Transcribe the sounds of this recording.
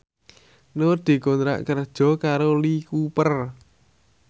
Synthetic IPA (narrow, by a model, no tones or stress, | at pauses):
nʊrd̪̥i̤kont̪ɾa̰ʔkərd̥ʒ̥ɔ̤kaɾolikupər